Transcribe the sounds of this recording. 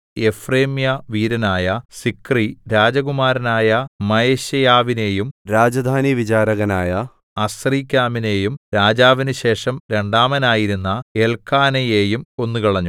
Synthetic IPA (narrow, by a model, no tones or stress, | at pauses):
e̞freːmjɐʋiːɾɐnaːjɐsikriɾaːd͡ʑɐɣumaːɾɐnaːjɐmɐjeɕɐjaːʋine̞ːjumɾaːd͡ʑɐd̪ʱaːniʋit͡ɕaːɾɐɣɐnaːjɐ | ɐsriːkʲːaːmine̞ːjumɾaːd͡ʑaːʋinɨɕe̞ːʂɐmɾe̞ɳɖaːmɐnaːjiɾunːɐelkʰaːnɐjeːjumo̞nːukɐɭɐɲːu